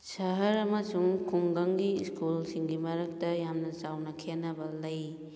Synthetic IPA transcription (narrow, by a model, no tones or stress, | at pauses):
sɐɦɐɾɐmɐsuŋkʰuŋɡɐŋɡiskulsiŋɡimɐɾɐk̚tɐjamnɐt͡ʃawnɐkʰenːɐbɐlɐj